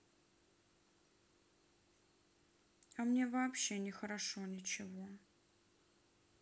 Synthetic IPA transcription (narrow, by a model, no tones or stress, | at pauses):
ɐmnʲe̞vɐːpɕːe̞nʲɪxəɾɐʂonʲɪt͡ɕɪvo̞